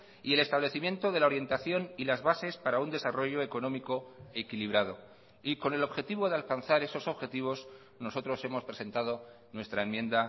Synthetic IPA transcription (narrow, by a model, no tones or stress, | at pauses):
ie̞le̞st̪aβle̞θimje̞nt̪o̞ðe̞lao̞ɾje̞nt̪aθjo̞nilazβase̞spaɾaund̪e̞saro̞ʝo̞eko̞nõ̞miko̞ekiliβɾaðo̞ | iko̞ne̞lo̞βxe̞t̪iβo̞ðe̞alkan̟θaɾe̞so̞so̞βxe̞t̪iβ̞o̞z | no̞so̞t̪ɾo̞se̞mo̞spɾe̞se̞nt̪að̞o̞ | nwe̞st̪ɾaemjẽ̞nd̪a